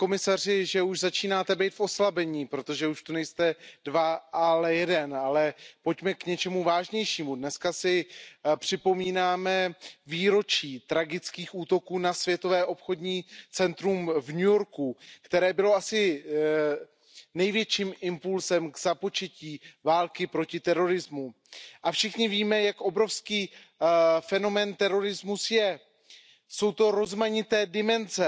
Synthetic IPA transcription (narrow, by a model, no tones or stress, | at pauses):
ko̞mɪsarɪʒɛuʒzat͡ʃiːnaːt̪ɛbɛjt̪fo̞slabɛɲiːpɾo̞t̪o̞ʒɛuʃt̪onɛjst̪ɛdvaalɛjɛdɛnalɛpo̞cmɛkɲɛt͡ʃɛmuvaːʒɲɛjʃiːmudnɛskasɪpr̥ɪpo̞miːnaːmɛviːɾo̞t͡ʃiːt̪ɾaɡɪt͡skiːxuːt̪o̞kuːnasvjɛt̪o̞vɛːʔo̞pxo̞dɲiːt͡sɛnt̪ɾumvɲujo̞ɾkukt̪ɛɾɛːbɪlo̞asɪ | nɛjvjɛt͡ʃiːmʔɪmpulzɛmɡzapo̞t͡ʃɛciːvaːlkɪpɾo̞cɪt̪ɛɾo̞ɾɪzmu | ʔafʃɪxɲɪviːmɛjakʔo̞bɾo̞fskiː | fɛno̞mɛːnt̪ɛɾo̞ɾɪzmusjɛ | so̞wt̪o̞ɾo̞zmaɲɪt̪ɛːdɪmɛnzɛ